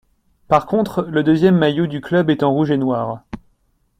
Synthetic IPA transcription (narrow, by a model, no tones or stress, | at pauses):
paʁkɔ̃t̪χləd̪øzjɛmːajod̪yklœbɛt̪ɑ̃ʁuʒenwaːʁ